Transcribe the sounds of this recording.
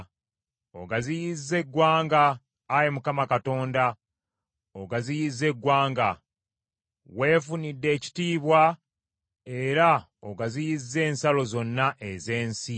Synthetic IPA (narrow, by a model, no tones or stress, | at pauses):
oɡazijizːe̞ɡwaːŋɡaː | jemukamakato̞ːnda | oɡazijizːe̞ɡwaːŋɡa | we̞ːfunidːe̞ːci̥tiːβwa | e̞ɾa | oɡazijizːe̞ːnsalo̞zo̞nːaʔeze̞ːnsi